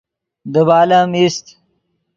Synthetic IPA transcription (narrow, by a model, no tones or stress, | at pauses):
d̪əβaːlamist̪